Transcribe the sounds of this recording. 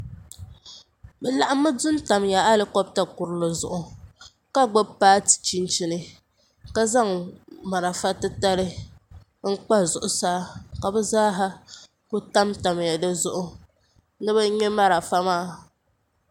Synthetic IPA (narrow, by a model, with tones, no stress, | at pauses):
bɛ˨la˨ʔa˦mːɨ˦dʊ˦n˦ta˨mja˨a˦lɨ˨kɔ˦b̚ta˨kʊ˨ɾɨ˦lɨ˨zʊ̰˨ʔʊ˨ | ka˦ɡ͡bo˦paː˦ti̥˨t͡ʃi˦nt͡ʃi˦nɨ˦ | ka˦za˦ŋma˨ɾa˨fa˦tɨ˦ta˦lɨ˦ | ŋ̩˦k͡pa˦zʊ˨ʔʊ˨saː˦ka˨bɛ˦zaː˦ɦa˦ | ko˦ta˦mta˨mja˨dɨ˦zʊ˦ʔʊ˦ | nɨ˦ba˦ɲɛ˦ma˦ɾa˨fa˦maː˦˨